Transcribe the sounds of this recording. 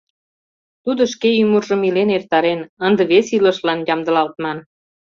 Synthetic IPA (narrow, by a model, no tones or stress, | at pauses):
t̪ud̪ŏʃkeymurʒə̆milenert̪ɑɾenənd̪ə̆βesilə̆ʃlɑnjɑmd̪ə̆lɑlt̪mɑn